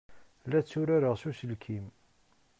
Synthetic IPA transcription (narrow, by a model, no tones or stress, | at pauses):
læt͡sːuɾaɾəʁsusəlkʰim